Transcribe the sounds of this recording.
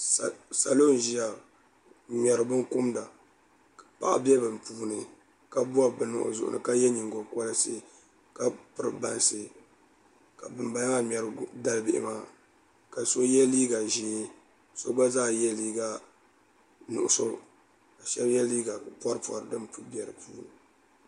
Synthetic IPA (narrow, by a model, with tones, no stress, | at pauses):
ssa̰˨lo˦n˨ʒi˦ja˨ | mɛ˨ɾɨ˨bɨ˦ŋkʊ˦mda˨ | pa̰˨ʔa̰˨bɛ˦bɨ˨mpuː˦nɨ˨ | ka˦bu˦a˦bɨ˨nʊ̰˨ʔʊ̰˨zʊ̰˨ʔʊ̰˨nɨ̰˨ka˦jɛ˦ɲi˨ŋɡo˨kɔ˦lɨ˦sɨ˦˨ | ka˦pɨ˦ɾɨ̰˨ba˨n˨sɨ˦ | ka˨bɨ˨mba˦jŋa˦mɛ˨ɾɨ˦da˦lbɪ˦˨ʔɪ̰˨maː˦ | ka˨so˦jɛ˦liː˦ɡa˨ʒe˨˦ | so˦ɡ͡ba˦zaː˦jɛ˦liː˦ɡa˦ | nʊ̰˨ʔʊ˨so˦ | ka˨ʃɛ˦bjɛ˦liː˦ɡa˨pɔ˦ɾɨ˦pɔ̰˨ɾɨ˨dɨ˦mpbɛ˨ɾɨ˨puː˦nɨ˨